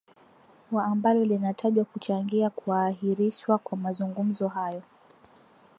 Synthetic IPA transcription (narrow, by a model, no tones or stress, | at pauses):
waːmbalɔlinatʰaʄwakut͡ʃaŋɡiakuaːhiɾiʃwakwamazuŋɡum̩zɔɦajɔ